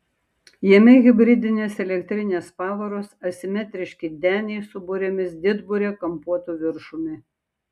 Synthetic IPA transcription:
jiɛmʲɛɣʲɪbʲɾʲɪd̪ʲɪnʲeːsɛlʲɛkʲt̪ʲɾʲɪnʲeːspɑːʋɐɾoːsɐsʲɪmʲɛt̪ʲɾʲɪʃʲkʲɪd̪ʲæːnʲɛɪsʊbʊɾʲemʲɪsd̪ʲɪd̪bʊɾʲeːkɐmpuɔt̪uʋʲɪɾʃʊmʲɪ

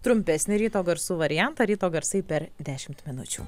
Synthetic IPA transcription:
t̪ɾʊmʲpʲɛsʲnʲɪɾʲiːt̪oːɡɐɾsuːʋɐɾʲɪjænt̪ɐːɾʲiːt̪oːɡɐɾsɐɪpʲɛɾd̪ʲæːʃʲɪmt̪mʲɪnʊt͡ʃʲṵː

